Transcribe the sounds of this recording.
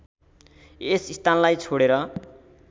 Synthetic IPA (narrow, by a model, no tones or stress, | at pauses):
esist̪anlajt͡sʰoɽeɾʌ